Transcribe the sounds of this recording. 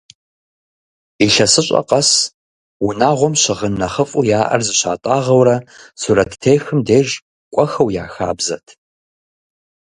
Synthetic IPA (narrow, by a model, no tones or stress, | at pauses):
iɬɐsɨɕʼɐ̰qɐs | ʊnaːʁʷɔmɕɪʁənːɐχəfʼujaːʔɐ̰rzɨɕa̰ːtʼaːʁɐwɾɐsuɾɐtʰtʰeːjxɨmdeːʒ | kʷʼɔxɐwja̰ːxa̰ːbzɐ̰tʰ